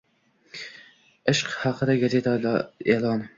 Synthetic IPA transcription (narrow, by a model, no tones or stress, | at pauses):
ɪʃqhɑqɨd̪aɡʲazet̪ʰeːlˠɑn